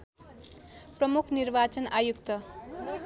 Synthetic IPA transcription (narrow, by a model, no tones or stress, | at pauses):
prʌmukʰnirbat͡sʌnajukt̪ʌ